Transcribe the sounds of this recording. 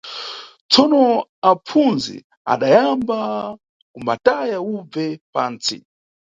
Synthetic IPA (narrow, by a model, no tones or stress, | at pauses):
t͡sɔnɔapp͡funzḭ | a̰ɗajamba | kumbatajaub͡vvɛpaːnt͡sḭ